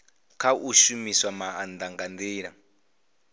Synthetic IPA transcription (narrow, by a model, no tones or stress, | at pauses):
kʰaʔuʃumiswamaand̪aŋɡand̪eːɺa̰